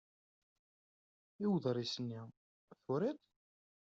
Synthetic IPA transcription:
iwðˤɾˤisənːi | θʊɾit̪ˤ

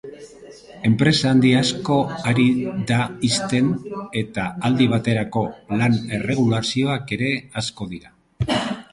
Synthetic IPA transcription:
e̞mpɾe̞saːnd̪iasko̞aɾiðaist̪e̞ne̞t̪aald̪iβ̞at̪e̞ɾako̞lane̞re̞ɣ̞ulasio̞ake̞ɾe̞asko̞ðiɾa

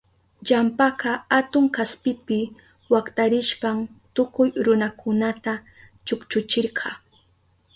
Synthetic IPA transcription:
ʎampakɑat̪ʊŋkaspɪpɪ | wakt̪ʼaɾɪʃpamt̪ʊkʊjɾʊnakʊnat̪a | t͡ʃʊkt͡ʃʊt͡ʃɪɾqʰɑ

